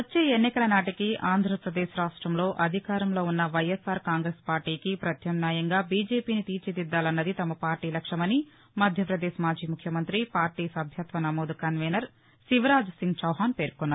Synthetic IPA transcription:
ʋɐt͡ʃːeːenːikɐlɐnaːʈikiʔaːnd̪ʱɾɐpɾɐd̪ɛːʃɾaːʂʈɾɐmlo̞ːʔɐd̪ʱikaːɾɐmlo̞ːunːɐʋɐjesaːɾkaːŋɡɾespaːɾʈiːkipɾɐt̪ʰjɐmnjaːjɐŋɡaːbiːd͡ʒeːpiːnit̪iːɾt͡ʃid̪id̪ːaːlɐnːɐd̪it̪ɐmɐpaːɾʈiːlɐkʂɐmɐni | mɐd̪ʱjɐpɾɐd̪ɛːʃɐmaːd͡ʒiːmukʰjɐmɐnt̪ɾipaːɾʈiːsɐbʱjɐt̪ʋɐnɐmoːd̪kɐnʋeːnɐɾ | ʃiʋɐɾaːd͡ʒsiŋɡt͡ʃɐwɦaːnpe̞ːɾkɔnːaːɾu

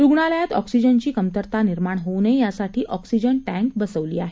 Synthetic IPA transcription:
ɾuɡɳaljat̪ɔ̰ksid͡ʑənt͡ɕiːkəmt̪əɾt̪aniɾmaɳɦonəjasaʈʰiːʔɔksid͡ʑəɳʈæ̃ŋk̚bəsəʋliːaɦe

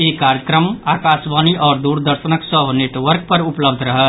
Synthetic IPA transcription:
ekaɾjəkɾəmakasbaniʔɔːɾd̪uɾd̪əɾsənəksəbʱnet̪ʋəɾk̚pəɾupləbd̪ʱɾəɦə

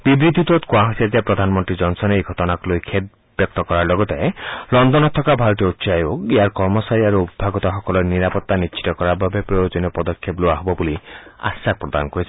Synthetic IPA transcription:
bibɾid̪ʱit̪ot̪kwaɦsat̪iapɾɔd̪ʱanmɔnt̪ɾid͡ʒɔnsɔneejɡʱɔt̪ɔnaklojkʰed̪̚ | bjɔk̚t̪ɔkɔɾaɾlɔɡɔt̪elɔnd̪ɔnɔt̪ʰːɔkabʱaɾɔt̪ɔut̪ːsajbokeaɾkɔɾmɔsaɾiaɾuubbʱaɡɔt̪axɔkɔlɔɾniɾapɔt̪ːanist͡ʃʰi̥t̪ɔkɔɾabʱabepɾojod͡ʒɔnɔpɔd̪ɔkʰːeploaɦobɔbulia̰sak̚pɾɔd̪anɔkɔɾisʰ

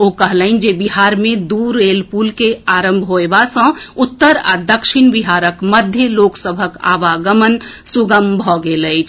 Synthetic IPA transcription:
okəɦləɪnd͡ʒebiɦaɾmed̪uɾːelpulkeaɾəmbʱɦoebasə̃ut̪ːəɾa̰d̪əkʃinbiɦaɾəkməd̪ʱjəloksəbʱəka̰ʋaɡəmənsuɡəmbʱɔɡeləjt͡ʃʰ

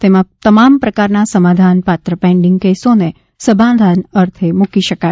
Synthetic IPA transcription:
t̪emãt̪əmampɾəkaɾnasəmad̪ʱanpat̪ɾəpɛ̃ɳɖɪŋɡkesone | səbãd̪ʱanəɾt̪ʰemukiʃəka

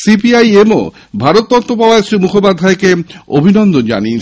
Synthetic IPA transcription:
sipiajemo̰ | bʱaɾot̪ːɔt̪ːɾopabaesimukʰopad̪ʱːaekeobʱinɔnd̪ond͡ʑa̰nie

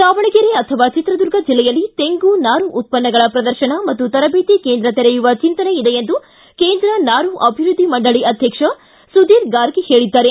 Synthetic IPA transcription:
saːʋɐɳiɡeɾeɐt̪ʰɐʋaːt͡ʃit̪ɾɐd̪uɾɡʱɐd͡ʒilːɛjɐlːit̪eŋɡunaːɾuʔːt̪̚pɐnːɐɡɐɭɐpɾɐd̪ɐɾʃɐɳɐmɐt̪ːut̪ɐɾɐbeːt̪ikeːnd̪ɾɐt̪ɛɾɛjuʋɐt͡ʃint̪ɐneid̪ejend̪u | keːnd̪ɾɐnaːɾuʔɐbʱiɾud̪ʱːimɐɳɖɐɭiʔɐd̪ʱjɐkʂɐ | sud̪iːɾɡaːɾɡehe̞ːɭid̪ːaːɾe

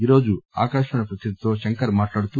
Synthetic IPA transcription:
iːɾo̞ːd͡ʒua̰ːkaːʃmɐɳɐpɾɐt̪ʰid̪ʱit̪o̞ːʃɐŋkɐɾmaːʈlaːɽut̪u

